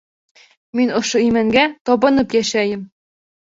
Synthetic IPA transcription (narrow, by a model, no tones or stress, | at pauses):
minɤ̆ʃɤ̆imæŋɡæt̪ɒbɤ̆nɤ̆pjæɕæjɘ̆m